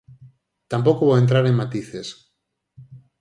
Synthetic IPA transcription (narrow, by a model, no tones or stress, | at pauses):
t̪amp̬okoβoent̪ɾaɾeŋmat̪iθes